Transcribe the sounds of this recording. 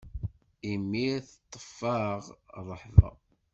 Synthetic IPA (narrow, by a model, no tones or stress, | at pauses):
imːiθət̪ˤːə̥fːɑʁrˤːəħðˤɑ̰